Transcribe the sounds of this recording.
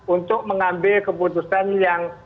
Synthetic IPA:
unt̪ʊk̚məŋambɪlkəput̪usanjaŋ

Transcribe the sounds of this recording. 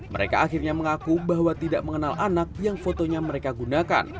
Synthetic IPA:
mə̰ɾeka̰ːxirɲaməŋakubaɦwat̪idaʔməŋənalʔanak̚jaŋfot̪oɲaməɾekaɡunaka̰n

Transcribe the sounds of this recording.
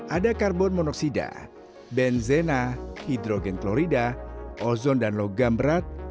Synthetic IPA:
ʔadakarbɔnmɔnɔksida̰ | bɛnzɛnahidɾɔɡɛnklɔɾidaʔɔzɔndanlɔɡambəɾat̪̚

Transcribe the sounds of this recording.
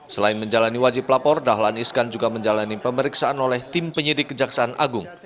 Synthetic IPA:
səlaɪnməɲd͡ʒalaniwad͡ʒɪplapɔrdaɦlaniskand͡ʒuɡaməɲd͡ʒalanipəməɾiksaanolɛht̪ɪmpəɲidɪkːəd͡ʒaksaanʔa̰ɡʊŋ

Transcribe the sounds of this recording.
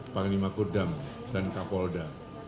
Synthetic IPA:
paŋlimakudam | sankapɔlda

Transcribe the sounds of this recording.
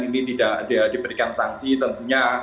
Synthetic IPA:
ninit̪idaʔdidibəɾikansaŋsit̪ənt̪uɲa

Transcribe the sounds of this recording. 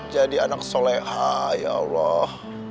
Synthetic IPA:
d͡ʒadianak̚solɛhaja̰lɔh

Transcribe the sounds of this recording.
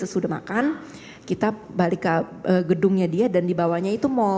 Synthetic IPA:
səsudama̰kan | kit̪abalɪkːa | əːɡədʊŋɲadiadandibawaɲait̪umo

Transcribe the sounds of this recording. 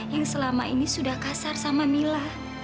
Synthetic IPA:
jaŋsəlama̰ʔinisudahkasarsamamilah

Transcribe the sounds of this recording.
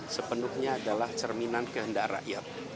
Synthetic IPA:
səpənuhɲaːdalaht͡ʃərminankəɦəndaʔra̰ʔjat̪̚

